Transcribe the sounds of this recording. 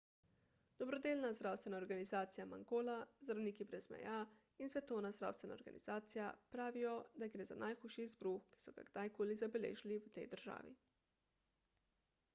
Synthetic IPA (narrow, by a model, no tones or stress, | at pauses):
d̪̥ɔbɾɔd̪eːlnazd̪ɾaːwst̪ʋɛnaɔɾɡanizaːt̪sijama̰ŋɡoːlazd̪ɾawniːkibɾɛzmɛ̰ja | insʋɛt̪ownazd̪ɾa̰ːwst̪ʋɛna̰oɾɡa̰nḭz̥aːt̪sija̰pɾaːʋijɔd̪aɡɾeːza̰nʔajxuːʃizbɾuxki̥sɔɡa̰ɡd̪ajkoːlizabɛlḛːʒiliwt̪ɛjd̪əɾʒa̰ːʋḭ